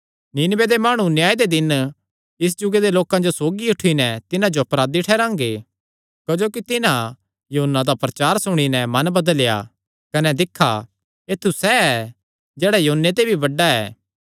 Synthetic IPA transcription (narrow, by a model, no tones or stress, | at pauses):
niːnbed̪emaːɽ̃ũnjaːid̪ed̪ɪn | ɪs̬d͡ʒʊɡed̪eloːkãd͡ʒosoːɡiʊʈʰinɛt̪ɪnãd͡ʒoɐpɾaːd̪iʈʰɛːɾãːŋɡe | kɐd͡ʒoːkit̪ɪnã | joɦʊnːad̪apɾɐt͡ʃaːɾsʊɽ̃inɛmɐnbɐd̪əlja̰ | kɐnɛd̪ɪkʰːa | eːt̪ʰːusɛɛ | d͡ʒɛːɽajɐɦʊnːet̪̬ebʱibɐɖaɛ̰ː